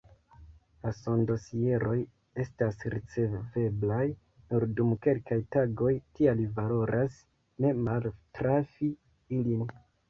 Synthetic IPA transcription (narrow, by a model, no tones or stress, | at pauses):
laso̞ndo̞sie̞ɾo̞j | e̞stasɾit͡se̞ve̞blaj | nuɾdumke̞lkajtaɡo̞jtialivalo̞ɾʔas | ne̞maltɾafi | ilin